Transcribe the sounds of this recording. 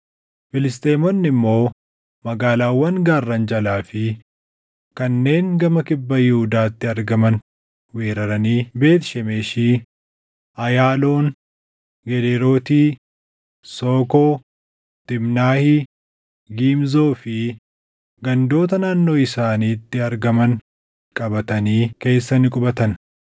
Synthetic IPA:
fɪlɪst̪eːmɔnːɪmːo̞ː | mɐɡaːlaːwːɐnɡaːrːɐnd͡ʒɐlaːfɪ | kɐnːe̞ːŋɡɐmɐkɪbːɐjɪhʊd̪aːt̪ːɪɐɾɡɐmɐn | weːɾɐɾɐniːbe̞ːt̪ʃɛmeːʃiː | ʔɐjaːloːn | ɡɛd̪eːɾo̞ːt̪iː | soːkoː | t̪ɪmnaːhi | ɡiːmzo̞ːfɪ | ɡɐnd̪o̞ːt̪ɐnaːnːo̞ːɪsaːniːt̪ːɪɐɾɡɐmɐn | kʼɐbɐt̪ɐniːke̞ːsːɐnɪkʼʊbɐt̪ɐn

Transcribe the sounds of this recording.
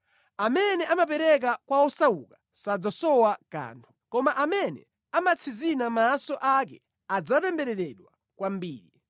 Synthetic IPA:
amɛnɛʔamap̬ɛɾɛk̬akwaɔsaukḁ | sad͡zasɔwaka̰ːntʰu̥kɔmaʔamɛnɛ̰ | amat͡sʰizinamaːsɔʔak̬ɛ̰ | ad͡zatɛmbɛɾɛɾɛɗwa | kwambiːɾi

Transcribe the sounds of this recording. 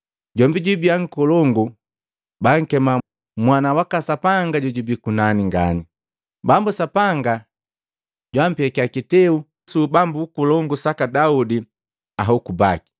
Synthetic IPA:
ɟɔmbiɟubiaŋ̩kɔlɔŋɡu | baŋ̩kɛma | mwanawakasapaŋɡaɟɔɟubikunaniŋɡa̰ni | bambusapaŋɡa | ɟwam̩piɛkiakitɛu | subambukulɔŋɡusakadaudi | aɦaukubaki̥

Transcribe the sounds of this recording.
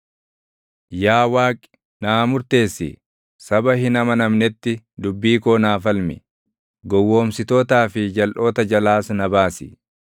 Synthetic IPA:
jaːwaːkʼɪ̥ | naːmʊɾt̪e̞ːsːɪ̰ | sɐbɐhɪnɐmɐnɐmnɛt̪ːɪ | d̪ʊbːiːko̞ːnaːfɐlmɪ̰ | ɡɔwːo̞ːmsɪt̪o̞ːt̪aːfɪd͡ʒɐlʔo̞ːt̪ɐd͡ʒɐlaːsnɐbaːsɪ

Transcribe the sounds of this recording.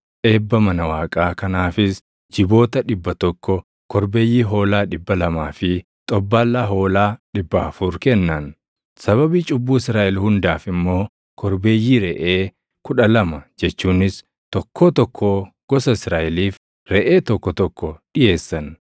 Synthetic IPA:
ʔe̞ːbːɐmɐnɐwaːkʼaːkɐnaːfɪs | d͡ʒɪbo̞ːt̪ɐᶑɪbːɐt̪ɔkːɔ | kɔɾbe̞ːjːiːɦo̞ːlaːᶑɪbːɐlɐmaːfɪ | t̪ʼɔbːaːlːaːɦo̞ːlaːᶑɪbːɐɐfuːɾkɛnːɐn | sɐβɐbiːt͡ʃʼʊbːuːɪsɾaːʔɛlhʊnd̪aːfɪmːo̞ː | kʰɔɾbe̞ːjːiːɾɛʔeː | kʊᶑɐlɐmɐd͡ʒɛt͡ʃːuːnɪs | t̪ɔkʰːoːt̪ɔkʰːo | ɡ̥ɔsɐɪsɾaːʔɛliːf | ɾɛʔeːt̪ɔkːɔt̪ɔkːɔɗɪje̞ːsːɐn

